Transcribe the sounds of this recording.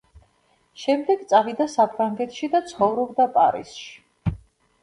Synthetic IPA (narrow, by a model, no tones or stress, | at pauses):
ʃɛmd̪ɛɡt̪sʼavid̪asapʰɾaŋɡɛt̪ʰʃid̪at̪sʰχɔvɾɔbd̪apʼaɾḭsʃi̥